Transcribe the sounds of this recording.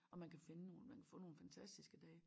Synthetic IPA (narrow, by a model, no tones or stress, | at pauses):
ɒ̽mænkʰæfe̝nənoːl̩mænkʰæ̥fɔ̰̽ːno̝ːn̩fænt͡sʰæsd̥isɡ̥əd̥ɛː